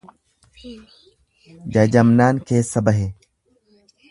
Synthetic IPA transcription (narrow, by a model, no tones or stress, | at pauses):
d͡ʒɐd͡ʒɐmnaːnkeːsːɐbɐɦeː